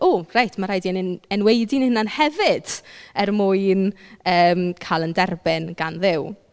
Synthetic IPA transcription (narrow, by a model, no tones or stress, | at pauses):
ʔoːrajtʰmaɾajdiɛnɪnɛnwejdinhɪnanhɛvɪd̥ɛrmʊɨnəːmkʰalˠəndɛrbɪnɡanðɪw